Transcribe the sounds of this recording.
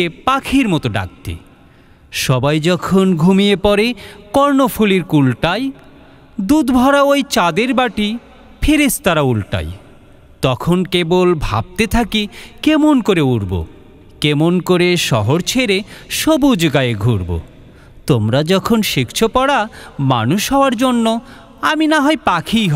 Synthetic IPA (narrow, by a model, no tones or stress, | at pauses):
epakʰiɾmɔt̪oɖa̰k̚t̪ḭ | ʃɔbajd͡ʑɔkʰonɡʱumiepɔɾekɔɾnofʰuliɾkulʈaj | d̪ud̪bʱɔɾaojt͡ɕad̪eɾbaʈi | pʰeɾest̪aɾaulʈa̰j | t̪ɔkʰonkebolbʱa̰b̚t̪et̪ʰakikemonkoɾeuɾbo̰ | kemonkoɾeʃɔɦoɾt͡ɕʰeɾeʃobud͡ʑɡajeɡʱuɾbo̰ | t̪omɾad͡ʑɔkʰonʃikt͡ɕʰopɔɽama̰nuʃɦɔoaɾd͡ʑonːo | aminaɦɔepakʰijɦ